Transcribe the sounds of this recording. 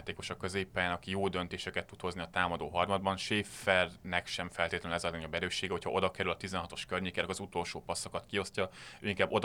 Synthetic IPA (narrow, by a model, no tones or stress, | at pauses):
t̪eːko̞ʃɒkːø̞zeːpːaːjaːnɒkijoːd̪ønt̪eːʃɛkɛt̪ːut̪ho̞zniɒt̪aːmɒd̪oːɦɒrmɒd̪̚bɒnʃeːfɛrnɛkʃɛɱfɛlt̪eːt̪lɛnnɛzɒlɛɲobːɛɾøːʃːeːɡɛɦo̞chɒʔo̞d̪ɒkɛɾylɒt̪izɛnɦɒt̪o̞ʃkørɲeːkɛnɛkɒzut̪o̞lʃoːpɒsːɒkɒt̪kio̞scɒøːiŋkaːbo̞d̪